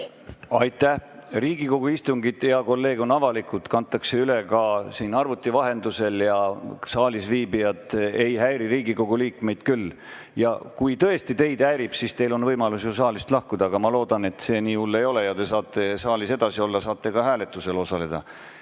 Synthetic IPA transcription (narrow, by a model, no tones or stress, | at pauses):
ɑjt̪ːˑæhriːɡ̥iko̞ɡ̥uist̪uŋɡid̪eɑko̞lːeːɡ̥o̞nɑvɑlikut̪kɑnt̪ːˑɑkse̞ylekɑsiːnɑrvut̪ːˑivɑɦe̞nd̪use̞ljɑsɑːlisviːbijɑt̪ˑe̞jɦæjɾiɾiːɡiko̞ɡ̥uliːkme̞jd̪̥kylː | jɑ̰kujt̪ɤ̞e̞st̪it̪e̞jd̪æjɾib̥sist̪e̞jlo̞nvɤjmɑlusjus̬ɑːlist̪lɑhkud̪̥ɑːɡ̥ɑmɑlo̞ːd̪ɑne̞t̪ːse̞ːniːulːe̞jo̞le̞jɑt̪e̞sɑːt̪ːˑe̞sɑːlise̞d̪̥ɑsio̞lːɑsɑːt̪ːˑe̞ɡ̥ɑɦæːle̞t̪ːˑuse̞lo̞sɑle̞d̪̥ɑ̰